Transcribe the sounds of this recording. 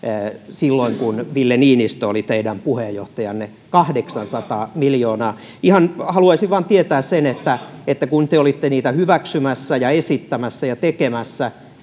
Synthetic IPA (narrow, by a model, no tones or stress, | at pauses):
silːoiŋkunʋilːeniːnist̪oolit̪eidæmpuhejjo̰ht̪ɑjɑnːe | kɑhdeksɑnsɑt̪ɑːmiljoːnɑː | ihɑnhɑluɑisiʋʋɑːnt̪iet̪æːssenet̪ːæet̪ːækunt̪eolit̪ːeniːt̪æhyʋæksymæsːæjɑesit̪ːæmæsːæjɑt̪ekemæsːæ